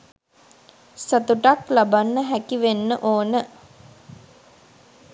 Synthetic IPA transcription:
sət̪uʈaklabanːəɦækiʋenːəʔoːnə

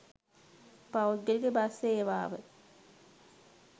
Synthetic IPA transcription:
pawuɡ̪elɡebaseːʋaːʋə

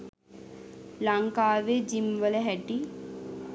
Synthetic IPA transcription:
laŋkaːʋed͡ʒimʋələɦɛʈi

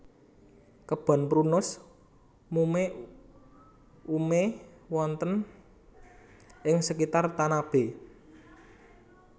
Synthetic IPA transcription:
kəb̥a̤npɾunʊs | mume | umewɔnt̪ən | ʔɪŋsəkit̪art̪anab̥e̤

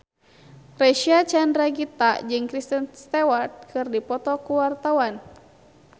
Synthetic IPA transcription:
rɛʃiat͡ʃandɾaɡit̪ad͡ʒɨŋkɾist̪ənst̪ɛwart̪̚kʰɨrdipɔt̪ɔkuwart̪awan

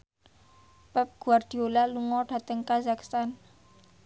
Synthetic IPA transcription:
pɛp̚ɡ̥ṳard̥i̤olaluŋɔɖ̥a̤t̪əŋkazakst̪an

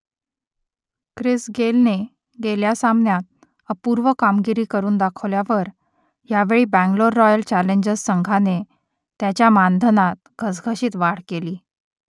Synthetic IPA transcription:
kɾisɡelne | ɡeljasamnjat̪̚ | əpuɾʋəkamɡiɾiːkəɾuːnd̪akʰəʋljaʋəɾ | jaʋeɭiːbæ̃ŋɡloɾːɔjəlt͡ɕæleɲd͡ʑəzsəŋɡʱane | t̪jat͡ɕjamand̪ʱənat̪̚ɡʱəsɡʱəɕiːt̪ʋaɽ̤keliː

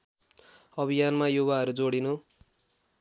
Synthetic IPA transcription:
ʌbʱijanmajubaɦʌɾud͡zoɽinu

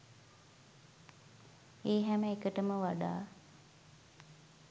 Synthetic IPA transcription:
eːɦɛməekəʈəməʋaɖa̰ː

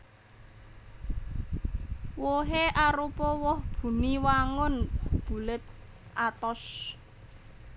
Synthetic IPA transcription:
woɦeʔaɾupɔwɔhb̥ṳniwaŋʊnhub̥ṳlɪt̪̚ | ʔat̪ɔs

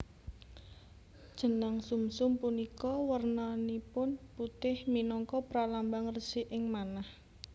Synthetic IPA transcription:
d̥ʒ̥ə̤naŋsumsʊmpunikɔwərnanipʊnput̪ɪhminɔŋkɔpɾalambaŋrəsɪʔɪŋmanah

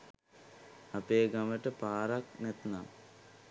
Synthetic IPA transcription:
apeːɡaməʈəpaːɾaknɛt̪na̰

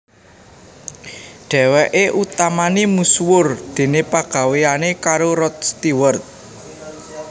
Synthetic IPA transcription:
ɖ̥ɛ̤wɛʔeʔut̪amanimuswʊrd̪̥e̤nepaɡ̥a̤weanekaɾoɾɔt̪̚st̪iwərt̪̚

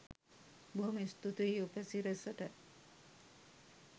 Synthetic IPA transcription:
buɦumist̪ut̪uiːupɛsiɾesɐʈə

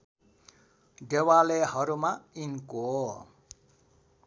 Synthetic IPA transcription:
d̪ewalehʌɾumainko

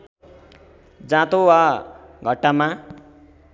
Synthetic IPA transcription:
d͡zãt̪owaɡʱʌʈːamã

